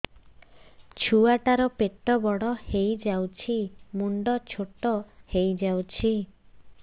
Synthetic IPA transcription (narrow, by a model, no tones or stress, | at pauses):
t͡ʃʰuaʈaɾɔpeʈɔbɔɽɔhejd͡ʒawt͡ʃʰimuɳɖɔt͡ʃʰoʈɔhejd͡ʒawt͡ʃʰi